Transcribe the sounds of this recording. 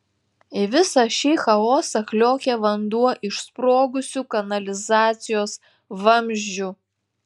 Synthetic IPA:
ɪʋʲɪsɐʃʲiːxɐoːsɐklʲoːkʲeʋɐnd̪uɔʔɪʃspɾoːɡʊsʲuːˑkɐnɐlʲɪzɑːt̪sʲɪjoːs | ʋɐmʲʒʲd͡ʒʲʊ

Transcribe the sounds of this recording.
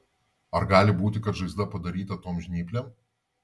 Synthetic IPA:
ɐɾɡɑːlʲɪbuːt̪ʲɪkɐt̪ʒɐɪzd̪ɐpɐd̪ɐɾʲiːt̪ɐt̪oːmʒʲnʲiːpʲlʲɛm

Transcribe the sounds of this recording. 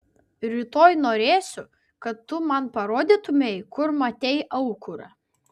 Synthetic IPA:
ɾʲiːt̪oːjnoːɾʲeːsʲʊ | kɐt̪ːʊmɐnpɐɾoːd̪ʲit̪ʊmʲɛjkʊɾmɐt̪ʲɛɪʔɐʊkʊɾɐ̰

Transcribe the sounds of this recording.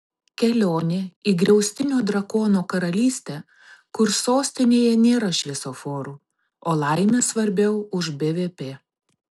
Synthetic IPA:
kʲɛlʲoːnʲɪiːɡɾʲɛʊsʲt̪ʲɪnʲoːd̪ɾɐkoːnoːkɐɾɐlʲiːsʲt̪ʲɛ | kʊɾsoːsʲt̪ʲɪnʲeːjɛnʲeːɾɐʃʲʋʲɛsoːfoːɾuː | oːlˠɐˑɪmʲɛsʋɐɾʲbʲɛʊʊʒbʲeʋʲeːpʲeː

